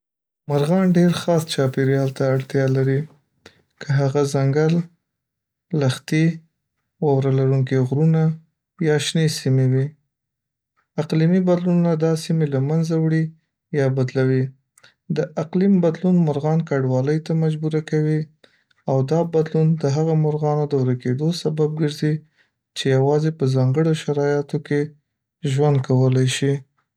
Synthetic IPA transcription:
maɾɣɑnɖeɾxɑst͡ʃɑpeɾjɑlt̪aːɽt̪jɑlaɾi | kʰəɦaɣazaŋɡal | axt̪e | wɑwɾalaɾuŋkeɣɾuna | jɑʃnesimewi | aqlimibad̪lunnad̪ɑsimelamanzawɽi | jɑbad̪lawi | d̪əʔaqlimbad̪lunmʊɾɣɑnkaɖwɑləjt̪amad͡ʒbuɾakawi | awd̪ɑbad̪lund̪əɦaɣamʊɾɣɑnod̪əwɾaked̪osabab̚ɡəɾzi | t͡ʃejawɑzepəzɑŋɡəɽoʃaɾɑjat̪oke | ʒwand̪̚kʰawəlajʃi

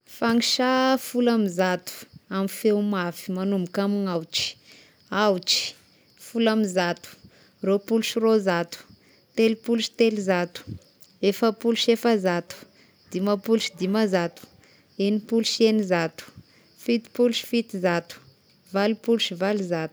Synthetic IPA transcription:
faŋiʃafulamizat̪u̥amifewmafi̥manumbukamiŋawt͡ʃi̥ | awt͡ʃi̥ | fulamizat̪u̥ | ropuluʃirozat̪u̥ | t̪elipuluʃi̥t̪elizat̪u̥ | efəpuluʃefəzat̪u̥ | d̪̥imapuluʃid̪imazat̪u̥ | enipuluʃenizat̪u̥ | fit̪i̥puluʃi̥fit̪izat̪u̥ | valipuluʃivalizat̪u̥

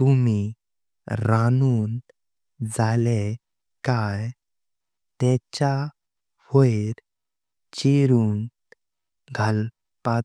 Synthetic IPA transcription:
t̪umi | ɾanuːn | d͡zale | kaj | t̪ɛt͡ɕa | foeɾ | t͡ɕiɾuːn | ɡʱal | pa

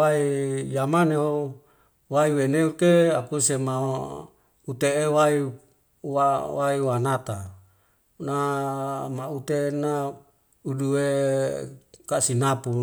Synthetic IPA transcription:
aijamaneo | waiweneut̪eakusema | ut̪eːwai | wawaiwanat̪a | na | maut̪ena | udue | kasinapu

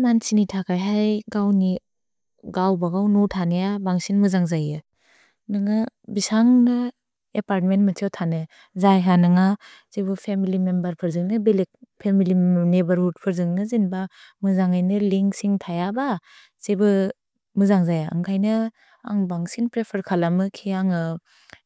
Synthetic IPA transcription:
mansinitʰakʰajɦajɡawni | ɡawbaɡawnutʰanejabaŋsinmɯzaŋzajɯ | nɯŋabisaŋnɯ | epaɾt̚mentmatʰiewtʰanɯ | zajɦanɯŋa | zebɯpʰemilimembɐɾpʰɯɾzɯŋnɯbilik̚pʰemilinebɐɾɦud̚pʰɯɾzɯŋnɯzinbamɯzaŋajnɯliŋksiŋtʰajaba | zebɯ | mɯzaŋzajaa̰ŋkʰajnɯ | a̰ŋbaŋsinpɾepʰɐɾkʰalamɯkʰiaŋɯ

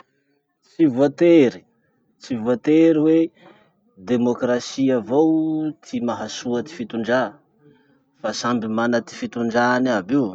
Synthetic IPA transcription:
t͡sivuat̪eɾi̥ | t͡sivuat̪eɾiwe | d̪emokrasiavowt̪ʰimaɦasuət̪i̥fit̪uɳɖ͡ʐa | fasambimanat̪i̥fit̪uɳɖ͡ʐanabiw

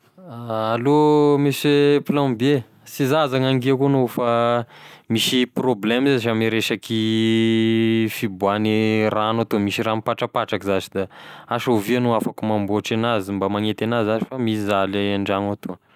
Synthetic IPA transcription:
aːlomisepilãmbe | sizazaŋaŋɡiakonofa | misiproblemzeziʃamiɾeʃaki | fibuaniranat̪omisiramipaʈ͡ʂapaʈ͡ʂakizazid̪aaʃovianuafakumamboaʈ͡ʂanazimbamaŋet̪anazazi̥famiizaleaɳɖ͡ʐanat̪o

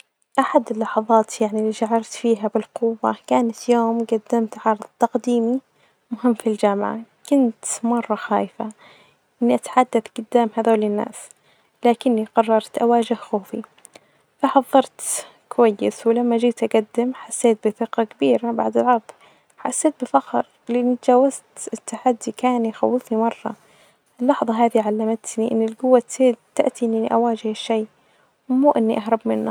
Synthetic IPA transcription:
ʔaħad̪ɪlːɑħɑðˤɑːt̪jaʕniliːʃaʕɑɾˤt̪fiːɦabɪlquwːa̰kaːnat̪joːmɡad̪ːamt̪ʕɑɾðˤt̪ɑqd̪iːmi | mʊɦɪmːfild͡ʒaːmʕa̰kʊnt̪mɑrˤːɑxa̰ːjfa | ʔɪnːiʔat̪ḁħad̪ːaθɡʊd̪ːaːmhaðoːlɪnːa̰ːs | laːkɪnːiqɑrˤːɑɾˤt̪ʔawaːd͡ʒɪhxoːfi | faħɑðˤːɑɾˤt̪ | kʊwajːɪswɪlamːad͡ʒiːt̪ʔaɡad̪ːɪmħasːeːt̪̚bɪθɪqɑkabiːɾaba̰ʕd̪ɪlʕɑðˤ | ħa̰sːeːt̪̚bɪfɑqɾˤ | lɪʔɪnːit̪d͡ʒaːwazt̪ɪt̪ːaħad̪ːikaːnjxa̰wːɪfnimɑrˤːɑ̰ | ɪlːɑħðˤɑɦaːðiʕalːamat̪niʔɪnːɪlɡʊwːat̪ɪt̪ːaʔt̪iʔnːʔɪnːḭʔawaːd͡ʒɪhɪʃːej | wmuːʔɪnːiʔaɦɾˤɑbmɪnːa

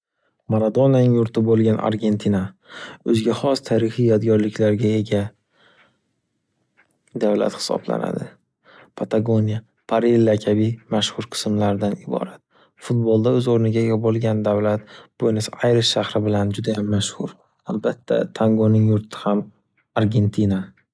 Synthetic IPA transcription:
maɾad̪o̞nanɪŋjʊɾt̪ʰɪbolˠɡʲana̰ɾɡʲe̞nt̪ʰinaɵzɡʲahɒst̪ʰaɾɪhijɒd̪ɡʲɒɾlɪkʲʰlaɾɡʲae̞ɡʲa | d̪avla̰t̪hɪ̥sɒ̰bla̰na̰d̪ɪ | pʰat̪ʰaɡonija | pʰaɾelːakʲʰabimaʃhʊɾqʰɨ̥smlaɾɪd̪anɪbɒ̰ɾat̪ | fʊt̪̚bolˠd̪aɵzoɾnɪɡʲaeɡʲabolˠɡʲand̪avlat̪̚b̥ojnɪsajɾɪʃʃahɾɪbɪland͡ʒʊd̪ajamːaʃhʊɾ | albat̪ʰːa̰t̪ʰaŋɡonɪŋjʊɾt̪ʰɪ̥ham | aɾɡʲe̞nt̪ʰina

